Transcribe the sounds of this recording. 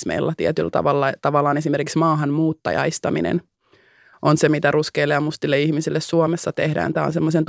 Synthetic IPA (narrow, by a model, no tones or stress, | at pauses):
smḛilːɑt̪iet̪ylt̪ɑ̰ʋɑlːɑt̪ɑʋɑlːˑɑːnesimerkiksmɑːɦɑnmuːt̪ːɑ̰jɑ̰jst̪ɑmḭnḛn | ʔonsemit̪æruskeilːeɑmust̪ilːeihmisilːessuomesːɑt̪ehdæ̰ːnt̪æːo̰nsemːosent̪